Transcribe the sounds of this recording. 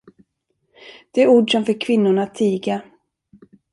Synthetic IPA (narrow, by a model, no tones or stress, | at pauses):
d̪̥ɛæɾuːɖʂɔmfœkʰvɪnːʊɳat̪ʰːiːɡa